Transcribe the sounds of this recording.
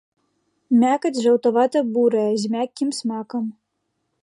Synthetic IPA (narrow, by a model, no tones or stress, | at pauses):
mʲakɐt͡sʲʐɐwt̪ɐvat̪ɐbuɾɐjɐzʲmʲakʲːimsmakɐm